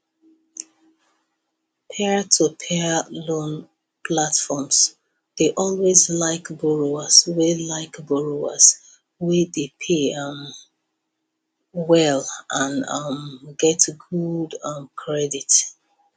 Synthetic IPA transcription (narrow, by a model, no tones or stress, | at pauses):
pʰɛətʰupʰɛlõn | pʰlatfɔms | ð̥eʔɔlwezlaɪkbɔɹoəswelaɪkbɔɹoə̰s | wedepʰeʌm | wɛlʔãnʌmɡɛtɡudʌ̃mkʰɹɛdit